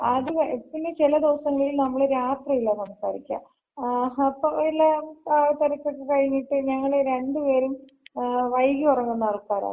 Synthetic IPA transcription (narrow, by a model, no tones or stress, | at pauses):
ɐðɨpːinːet͡ɕilɐd̪iʋɐsɐŋːɐɭilnɐmːɐɭeɾaːt̪rijilːɐsɐmɐsaːɾikʲːa̰ | ɐpːoilːɐpaːʋɐt̪ɐɾɐkʲːokːekɐɻiɲːiʈːɨɲɐŋːɐɭeɾe̞ɳɖɨpe̞ːɾum | ʋɐjɡiurɐŋːunːɐɭkaːɾa̰ː